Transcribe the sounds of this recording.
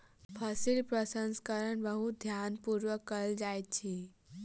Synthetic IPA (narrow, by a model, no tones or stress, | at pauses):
pʰəsilpɾəsənskəɾəɳbəɦud̪ʱjanpuɾʋəkːəld͡ʒajt̪̚t͡ʃʰi